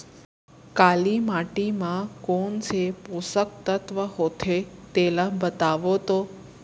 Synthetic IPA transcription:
kalimaʈimãkont͡ʃʰepusək̚t̪ət̪ʋəɦot̪ʰet̪elãbət̪aʋot̪o

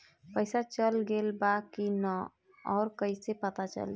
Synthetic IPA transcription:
pəɪsat͡ʃəlɡelbakinə | ɔːɾkəɪsepət̪at͡ʃə̰l

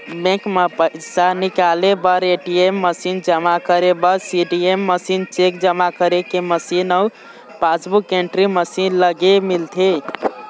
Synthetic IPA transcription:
bẽkmepəɪsanikalebəɾeʈiemːəsind͡ʒəmakəɾebəɾsiɖiemːəsint͡ʃekd͡ʒəmakəɾekeməsinəu | pasbukeɳʈɾiməsinləɡemilt̪ʰe

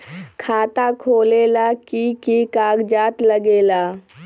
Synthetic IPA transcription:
kʰaːt̪akʰoːleːlakikikaːɡd͡ʒaːt̪ləɡeːlaː

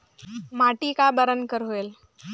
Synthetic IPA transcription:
maʈikabəɾənkəɾɦoel

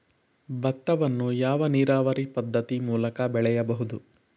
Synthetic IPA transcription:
bɐt̪ːɐʋɐnːujaːʋɐniːɾaːʋɐɾipɐd̪ːɐt̪imuːlɐkɐbɛɭɛjɐbɐɦud̪u

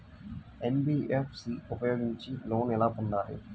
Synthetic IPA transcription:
enbiːʔepʰsiupɐjo̞ːɡiɲt͡ʃilo̞ːnɛlaːp̪und̪aːɾḭ

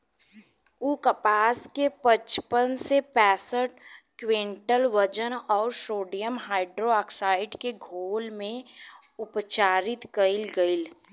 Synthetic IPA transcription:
uːkəpaːskepət͡ʃpənsepɛːsəʈ̚kwẽːɳʈəlʋəd͡ʒənɔːɾʃoːɖijəmɦaːɪɖɾoaːksaːɪɖkeɡʱoːlmẽ | ʊpt͡ʃaːɾɪt̪kəɪlɡɐɪl

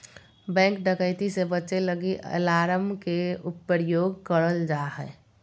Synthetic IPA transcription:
bɛ̃ːŋkɖəkəɪt̪isebəʃeləɡiʔə̰laːɾəmkeʊpːəɾjoːɡkəɽəld͡ʒaːɦɛ̰ː

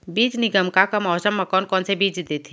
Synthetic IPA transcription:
biːd͡ʒnɪɡəmkakɐmɔːsəmːɐkɔːnkɔːnsebiːd͡ʒd̪et̪ʰi

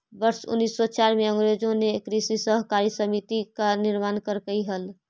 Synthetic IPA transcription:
bəɾsṵnːisːɔt͡ʃaɾmeəŋɡɾod͡ʒõnekɾisisəɦkaɾisəmit̪ikaniɾmankəɾkəjɦəl

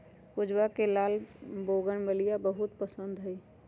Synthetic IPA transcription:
pʊd͡ʒwakelaːlboɡənbəlijabəɦut̪pəsənd̪ɦəj

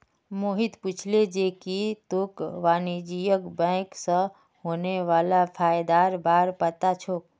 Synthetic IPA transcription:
moɦit̪put͡ʃʰled͡ʒekit̪okʋaːnid͡ʒijəkbə̃ɪksə̃ | ɦoːneʋaːlapʰaːjd̪aɾbaːɾpət̪at͡ʃʰok

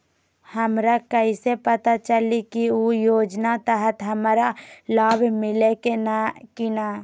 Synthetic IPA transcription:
həmɾakəisepət̪at͡ʃəlikiujoːd͡ʒnat̪əɦət̪ɦəmɾalaːbmɪlekenakɪnaː

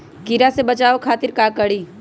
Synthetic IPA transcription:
kiɾasebɐt͡ʃaːokʰaːt̪ɪɾkakəɽiː

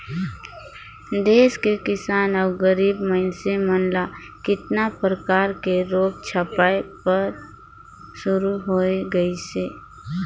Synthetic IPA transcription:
d̪eːskekɪsaːnɔːɡəɾiːbməɦɪnsemənla | kɪt̪napɾəkaːɾkeɾoːk̚t͡ʃʰəpaːepəɾ | ʃʊɾuɦoːeɡəiseː

